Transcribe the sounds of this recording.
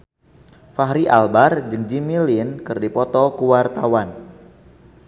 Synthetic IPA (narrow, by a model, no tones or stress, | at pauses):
faɦɾiʔalbard͡ʒəŋd͡ʒimilinkɨrdipɔt̪ɔkuwart̪awan